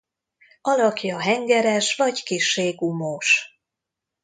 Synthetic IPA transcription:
ɒlɒkjɒɦɛŋɡɛɾɛʃʋɒɟkiʃːeːɡumoːʃ

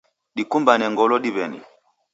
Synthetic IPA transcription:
ɗikumbanɛŋɡɔlɔɗiβɛnḭ

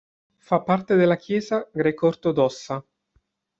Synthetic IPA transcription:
fapːart̪ed̪elːakjɛːzaɡɾɛːkort̪od̪ɔsːa

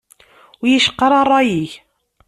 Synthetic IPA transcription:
wjiʃə̥qːɑɾˤɑrˤːɑjiç

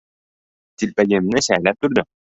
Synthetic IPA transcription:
t̪ilpæɡɘ̆mnɘɕælæp̚t̪ʉɾd̪ɘ

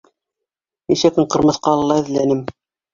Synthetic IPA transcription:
niʃækɘɴqɤ̆ɾmɤ̆θqɑlˠɤ̆lːˠɑɘ̆ðlænɘm

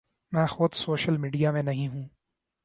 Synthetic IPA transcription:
mɛ̃ːxʊd̪soːʃəlmiːɖijamẽnɐɦĩɦũː

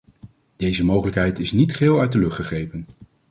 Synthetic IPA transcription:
d̥ejzəmowχələkɦɛjtɪsnitχɪːlˠœɥt̚dəlɵχtχəχejpən

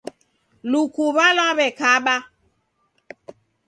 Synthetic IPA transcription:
lukuβalaβɛkaɓa

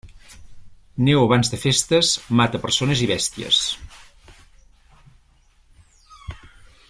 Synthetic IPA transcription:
newəβ̞anzðəfest̪əsmat̪əpəɾsonəziβ̞ɛst̪iə̰s

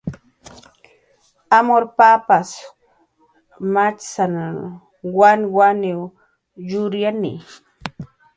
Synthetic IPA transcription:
amoɾpapas | mat͡ʃsana | wanwaniw | jʊɾjanɪ̰

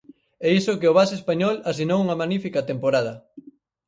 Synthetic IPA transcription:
ɛisʊkɪʊβasespaɲɔlasinowuŋɐmanifikɐt̪empoɾað̞ɐ

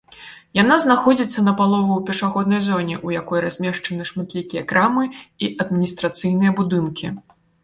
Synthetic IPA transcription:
janaznaxɔd͡zʲit̪sːɐnɐpalˠɔvɐwpʲɛʂaɣɔd̪̚nɐjzɔnʲɛʔujakɔjɾazʲmʲɛʂt͡ʂɐnɨʂmat̪lʲikʲijɐkɾamɨiʔɐd̪̚mʲinʲist̪ɾat̪sɨjnɨjɐbud̪ɨnkʲʰi

